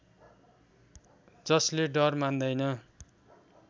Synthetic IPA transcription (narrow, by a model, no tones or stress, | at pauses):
d͡zʌsleɖʌrmand̪ʌjnʌ